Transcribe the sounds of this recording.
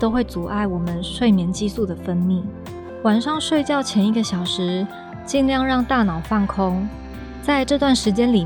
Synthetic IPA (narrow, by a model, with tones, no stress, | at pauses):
t̪o˥ʊxwe˥˩ɪt͡su˨˩ʔa˥˩ɪwɔ˨˩mə˦nʂwe˥˩ɪmjɛ˧˥nt͡ɕi˥su˥˩d̪ə˩fə˥nmi˥˩ | wa˨˩nʂɑ˥˧ŋʂwe˥˧ɪt͡ɕjɑ˥˩ʊt͡ɕʰjɛ˧˥ni˧˥ɡə˧ɕjɑ˨˩ʊʂɻ̩˧˥ | t͡ɕi˥˧nljɑ˥˧ŋɻɑ˥˧ŋt̪a˥˩nɑ˨˩ʊfa˥˩nkʰʊ˥ŋ | t͡sa˥˧ɪʈ͡ʂɤ˥˧t̪̬wa˥˩nʂɻ̩˧˥t͡ɕjɛ˥nli˨˩